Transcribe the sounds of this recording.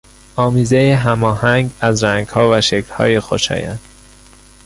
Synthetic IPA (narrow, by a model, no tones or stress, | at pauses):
ɒːmiːzejeɦæmɒːhæŋɡæzɾæŋɡhɒːvæʃekʰlhɒ̰ːjexoʃɒ̰ːjæ̰n